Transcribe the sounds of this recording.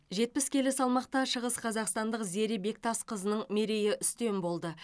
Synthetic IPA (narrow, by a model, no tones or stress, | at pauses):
ʒe̞t̪̚pɪskʲʰe̞lɪsɑlˠmɑq̚t̪ɑʃəʁəsqʰɑzɑqst̪ɑnd̪əqze̞ɾɪbe̞k̚t̪ʰɑsqʰəzənəɴme̞ɾe̞jɪʔʏst̪e̞nbo̞lˠd̪ə